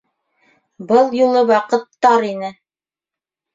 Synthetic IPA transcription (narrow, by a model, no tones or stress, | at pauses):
bɤlˠjulˠɤwɑqɤ̆t̪ːɑɾinɘ